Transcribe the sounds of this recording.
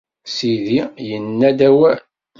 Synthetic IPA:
siðijənːæd̪æwæ

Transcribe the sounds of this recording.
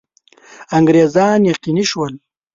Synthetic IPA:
aŋɡɾeːzɑːnjaqiniʃwəl

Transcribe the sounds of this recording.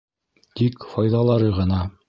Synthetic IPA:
t̪ikfɑjðɑlˠɑɾɤʁɤ̆nɑ

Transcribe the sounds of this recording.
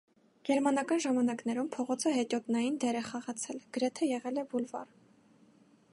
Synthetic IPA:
ɡ̥ɛɾmɑnɑkɑnʒɑmɑnɑknɛɾumpʰɔʁɔt͡sʰəɦɛt̪jɔt̪nɑjind̪ɛɾɛχɑʁɑt͡sʰɛlɡ̥əɾɛt̪ʰɛjɛʁɛlɛbulvɑ̰r

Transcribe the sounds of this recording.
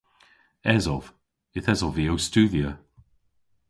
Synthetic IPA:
ɛzɔv̥ | ɪθɛzɔviowstuːðjə

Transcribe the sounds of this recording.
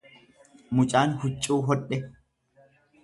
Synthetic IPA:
mʊt͡ʃʼaːnhʊt͡ʃʼːuːɦɔɗɛ

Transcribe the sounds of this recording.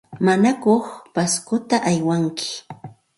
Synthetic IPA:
manakoχpaskʊt̪aʔajwaŋkɪ̥

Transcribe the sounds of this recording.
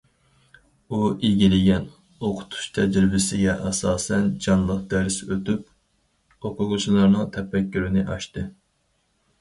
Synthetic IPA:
uʔiɡʲilɪɡʲɛn | oqʰʊ̥t̪ʰu̥ʃt̪ʰɛd͡ʒɾɪbɪsɪɡʲɛʔɑsɑːsɛnd͡ʒɑnlˠəq̚d̪̥æɾsøt̪yp | oqʰʊʁʊt͡ʃʰilˠɑɾnɨŋt̪ʰɛpːɛkʲːyɾynɪʔɑʃt̪ɨ

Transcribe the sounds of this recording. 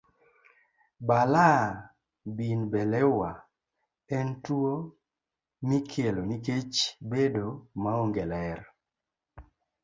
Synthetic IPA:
bala | binbɛlɛwa | ɛntwo | mikʰjeloniket͡ʃbedomaoŋɡɛlɛr

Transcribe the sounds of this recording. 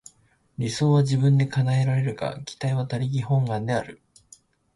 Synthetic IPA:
ɾʲiso̞ːβaʑibɯ̟̃nd̪e̞kanae̞ɾaɾe̞ɾɯ̟ka̰kʲi̥t̪aiβat̪aɾʲiɡʲihõ̞ŋɡãnd̪e̞aɾɯ̟

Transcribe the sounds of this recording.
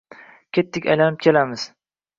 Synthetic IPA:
kʲʰet̪ʰːɪkʲa̰jlanɪp̚kʲʰe̞lamɪz̥

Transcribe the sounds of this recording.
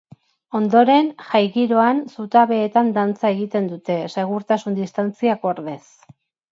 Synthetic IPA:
o̞nd̪o̞ɾe̞nʝajɣiɾo̞ansut̪aβe̞ːt̪and̪ant͡sae̞ɣit̪e̞nd̪ut̪e̞se̞ɣ̞uɾt̪asund̪ist̪ant͡siako̞ɾðes

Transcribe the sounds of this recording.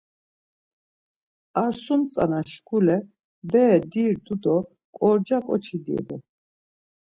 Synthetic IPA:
aɾsumt͡sʼa̰naʃkʰulɛ | bɛːd̪iɾd̪ud̪ɔ | kʼɔɾd͡ʒakʼɔt͡ʃʰid̪ḭɛd̪ɔ

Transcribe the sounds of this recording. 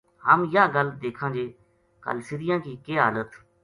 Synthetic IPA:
ɦəmjãːɡəld̪eːkʰãːd͡ʒeː | kə̰lsɪɾɪjãːkiːkeːɦa̰ːlət̪

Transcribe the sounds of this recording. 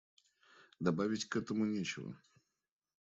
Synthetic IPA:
d̪ɐbavʲɪtʲkɛt̪əmʊnʲet͡ɕɪvə̰

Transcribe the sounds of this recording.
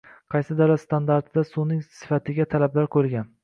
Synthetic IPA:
qʰɑjsɪd̪alast̪ʰand̪aɾt̪d̪asunɪŋsɪ̥fat̪ʰɪɡʲat̪ʰalablaɾkʰɵɾɡʲan

